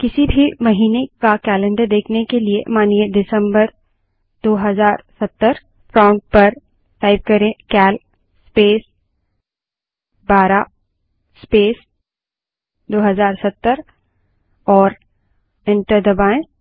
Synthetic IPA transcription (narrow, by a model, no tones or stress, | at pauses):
kɪsibʱimɐɦiːnekakɛːlɛ̃ɳɖəɾd̪eːkʰnekeliemaːnieɖɪsə̃mbəɾ | d̪oːɦɐzaːɾsɐt̪ːəɾ | fʰɾãːɳʈ̚pɐɾ | ʈaːɪb̚kɐɾẽkɛːl | speːs | baːɾa | speːs | d̪oːɦɐzaːɾsɐt̪ːəɾ | ɔːɾ | ɪ̃ɳʈəɾd̪ɐbaːẽː